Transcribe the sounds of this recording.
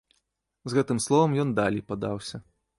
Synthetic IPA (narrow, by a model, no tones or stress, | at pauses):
zɣɛt̪ɨmslˠɔvɐmjɔnd̪alʲijpad̪awsʲɐ